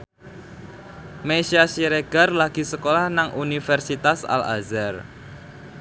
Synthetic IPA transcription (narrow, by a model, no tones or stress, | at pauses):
meʃiasiɾeɡ̥a̤rlaɡ̥i̤səkolahnaŋʔunifɛrsit̪asa̰la̰zɛr